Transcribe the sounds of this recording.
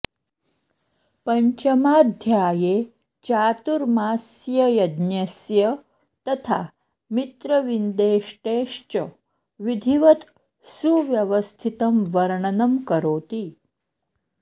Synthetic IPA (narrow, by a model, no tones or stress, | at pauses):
pɐɲt͡ʃɐmaːd̪ʱjaːjeː | t͡ʃaːt̪uɾmaːsjɐjɐd̪njɐsjɐ | t̪ɐt̪ʰaː | mit̪ɾɐʋind̪eːʂʈeːʂt͡ʃɐ | ʋid̪ʱiʋɐt̪ | suʋjɐʋəst̪ʰit̪ɐmʋɐɾɳɐnɐmkɐɾoːt̪iː